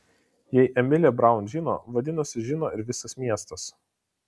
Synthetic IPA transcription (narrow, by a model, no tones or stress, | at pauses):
jɛɪʔɛmʲɪlʲɛbɾɐˑʊnʒʲɪno̰ːʋɐd̪ʲɪnʊsʲɪʒʲɪnoːɪɾʋʲɪsɐsmʲiɛst̪ɐs